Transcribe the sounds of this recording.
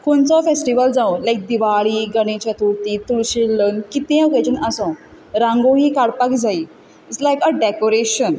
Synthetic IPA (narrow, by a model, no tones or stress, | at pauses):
kont͡sɔfesʈiʋəld͡zãwlajk̚d̪iʋaɭiːɡəɽ̃et͡ɕjat̪ʰuɾt̪iːt̪uɭɕelːənkit̪ẽoket͡ɕənəsɔ̃ | ɾãŋɡoɦiːkaɽpakd͡zai | it͡slajkəɖekoɾeɕən